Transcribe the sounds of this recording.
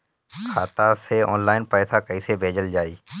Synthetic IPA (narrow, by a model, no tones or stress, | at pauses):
kʰaːt̪aːseːɔːnlaːɪnpɛːsaːkəiːseːbʱeːd͡ʒəld͡ʒaːiː